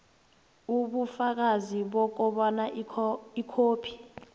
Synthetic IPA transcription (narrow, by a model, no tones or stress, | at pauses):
uɓufak̬aziɓɔk̬ɔɓɔnaikʰoːpʰi̥